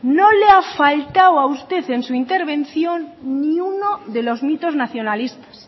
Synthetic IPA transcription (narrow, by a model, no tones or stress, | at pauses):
noleafalt̪awaust̪e̞θe̞nsuint̪e̞ɾβ̞ẽ̞nθjo̞nːiuno̞ðe̞lo̞zmit̪o̞znaθjo̞nalist̪ḁs